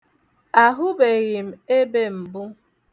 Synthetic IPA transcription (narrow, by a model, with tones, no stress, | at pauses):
a˨ɦʊ˦be˨ɣɪ˨m̩˨e˦be˦m̩˨bʊ˦